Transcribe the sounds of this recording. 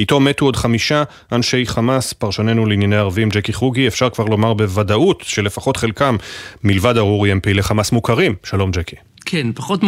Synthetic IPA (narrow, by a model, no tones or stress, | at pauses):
ito̞metuo̞dχamiʃa | ʔanʃe̞jχamaspaʁʃone̞nuleinjane̞jaʁavimd͡ʒekiχuɡiefʃaʁkvaʁlo̞maʁbe̞vadautʃe̞le̞faχo̞tχe̞lkamːilvadaʁuʁiempile̞χamasmukaʁimʃalo̞md͡ʒeki̥ | kʰenpaχot